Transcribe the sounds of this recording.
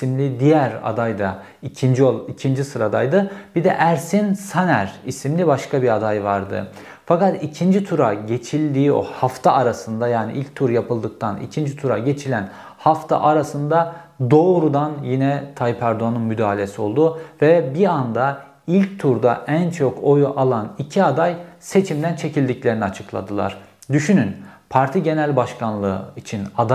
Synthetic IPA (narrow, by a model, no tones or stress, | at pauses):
imlʲid̪ijæɾa̰d̪ajd̪a | icʰind͡ʒoicʰind͡ʒisɯɾad̪a̰jd̪ɯb̥id̪ɛ̰ʔæɾsinsanæɾisimlʲibaʃkʰabiad̪ajvaɾd̪ɯ̰ | fakat̪icʰind͡ʒit̪ʰuɾaɟe̞t͡ʃʰilʲd̪iːo̰haft̪ʰaʔaɾasɯnd̪ajaːnḭʔilʲc̚t̪ʰuɾjapɯlˠd̪ɯk̚t̪ʰanḭcʰind͡ʒit̪ʰuɾa̰ɟe̞t͡ʃʰilʲæn | haft̪ʰa̰ʔaɾasɯnd̪ad̪o̞ːɾud̪anjinɛt̪ʰajipʰæɾd̪oanɯnmyd̪aːilʲe̞sio̞̰lˠd̪uvɛbiand̪a | ilʲc̚t̪ʰuɾd̪a̰ʔænt͡ʃʰokojʔalˠanicʰiad̪ajse̞t͡ʃʰimd̪ænt͡ʃʰe̞cʰilʲd̪iclʲe̞ɾiniat͡ʃʰɯklˠa̰d̪ɯlˠa̰ɾ̥d̪yʃynynpʰaɾt̪ʰiɟe̞nælʲbaʃkʰanlˠɯ̰it͡ʃʰinad̪a